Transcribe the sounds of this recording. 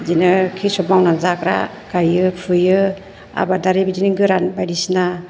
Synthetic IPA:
zinɯkʰisɔpmawnanzakɾa̰ | kajɯpʰɯjɯ | a̰badaɾebidinɯɡɯɾanbajdisina

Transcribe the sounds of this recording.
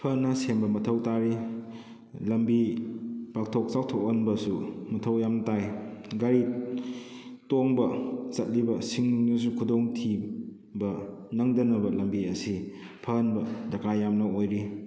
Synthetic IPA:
pʰɐnɐsembɐmɐtʰɐwtaɾi | lɐmbi | pak̚tʰok̚sawtʰoknbɐsumɐtʰɐwjamtajɡaɾi | toŋbɐsɐt̚libɐsiŋnus̬ukʰudoŋtʰi | bɐnɐŋdɐnɐbɐlɐmbiɐsi | pʰɐnbɐdɐkʰajamnɐojɾi

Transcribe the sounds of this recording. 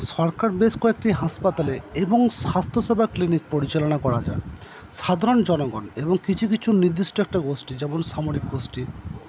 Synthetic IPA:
ʃɔɾkaɾbeskɔek̚ʈiɦaspat̪aleeboŋsast̪ʰosebʱaklinik̚poɾit͡ɕalonakɔɾad͡ʑa̰e | ʃad̪ʱaɾond͡ʑɔnoɡɔneboŋkit͡ɕʰukit͡ɕʰuniɾd̪isʈoɛk̚ʈaɡosʈid͡ʑɛmonʃamoɾik̚ɡosʈi

